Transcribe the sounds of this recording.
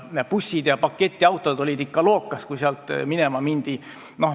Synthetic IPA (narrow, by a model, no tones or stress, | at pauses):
pusʲːid̪̥jɑpɑkːet̪ʲːˑiɑwt̪ːˑod̪̥o̞lʲid̪ikːɑlo̞ːkːˑɑskujseɑlt̪ːˑminemɑmind̪̥i | no̞h